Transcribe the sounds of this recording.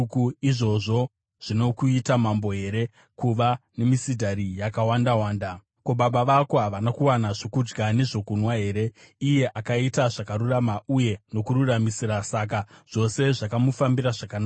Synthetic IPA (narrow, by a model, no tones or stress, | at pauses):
kuiʐo̞ʐo̞ | ʐ̥ino̞kuitamambo̞ɦe̞ɾe̞ | kuʋane̞misidʱaɾijakawandawaːnda | ko̞ɓaɓaʋako̞ɦaʋanakuwanaʐo̞kud͡ʒɡane̞ʐo̞kunwaɦe̞ːɾe̞ije̞ʔakaitaʐakaɾuramauje̞no̞kuɾuramisiɾasak̬aʐ̥o̞se̞ʐakamufambiɾaʐakanaːa